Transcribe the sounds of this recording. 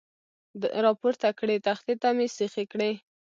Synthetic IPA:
ɾɑpoɾt̪akɽet̪axt̪et̪amesexekɽe

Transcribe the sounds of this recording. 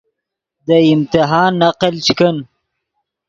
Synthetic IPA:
d̪əɪmt̪iɦɑːnːaqəlt͡ʃkən

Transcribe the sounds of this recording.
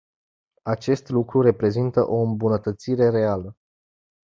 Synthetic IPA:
at͡ʃe̞st̪lukɾuɾe̞pɾe̞zint̪əʔo̞ɨmbunət̪ət̪siɾe̞ɾe̞alə

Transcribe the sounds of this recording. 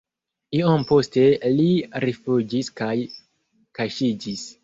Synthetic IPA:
iompo̞ste̞liɾefud͡ʒiskaj | kaʃid͡ʒis

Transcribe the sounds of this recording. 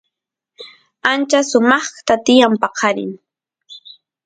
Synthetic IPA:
ant͡ʃasʊmɑχt̪at̪ɪjampɑqʰɑɾɪ̰ŋ

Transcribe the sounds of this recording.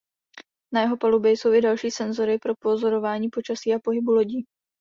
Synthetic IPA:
najɛɦo̞palubjɛjso̞wɪdalʃiːsɛnzo̞ɾɪpɾo̞po̞zo̞ɾo̞vaːɲiːpo̞t͡ʃasiːʔapo̞ɦɪbulo̞ɟiː

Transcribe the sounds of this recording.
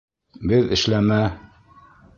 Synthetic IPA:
bɘðɘ̆ʃlæmæ

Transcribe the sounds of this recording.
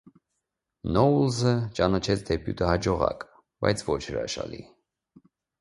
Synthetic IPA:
nɔulzət͡ʃɑnɑt͡ʃʰɛt͡sʰd̪ɛpjṵt̪ʰəhɑd͡ʒɔʁɑ̰k | bɑjt͡sʰvɔt͡ʃʰɾɑʃɑ̰lḭ

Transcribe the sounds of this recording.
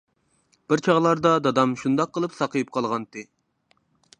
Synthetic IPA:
b̥ɪɾt͡ʃʰɑʁlˠɑɾd̪ɑd̪ɑd̪ɑmʃund̪ɑqʰːəlˠɨpsɑqʰəjɨp̚qʰɑlˠʁɑnt̪ʰɨ

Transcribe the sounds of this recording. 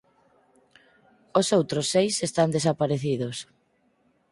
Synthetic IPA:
osowt̪ɾosːejsest̪and̪esapaɾeθiðos

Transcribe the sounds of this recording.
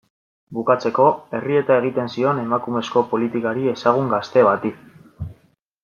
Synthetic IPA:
bukat͡se̞ko̞e̞rie̞t̪ae̞ɣ̞it̪e̞nsio̞ne̞makume̞sko̞po̞lit̪ikaɾie̞saɣ̞uŋɡast̪e̞βat̪i

